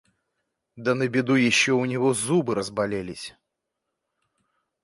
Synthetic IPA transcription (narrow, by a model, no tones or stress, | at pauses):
d̪ɐnɐbʲɪd̪ujaɕʲːɛwnʲɛɣɔzubɨɾɐzbalʲɛlʲisʲɐ̥